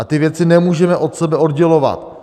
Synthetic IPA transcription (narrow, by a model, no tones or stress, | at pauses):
at̪ɪvjɛt͡sɪnɛmuːʒɛmɛʔo̞t̪sɛbɛo̞d̪ɟɛlo̞va̰t̪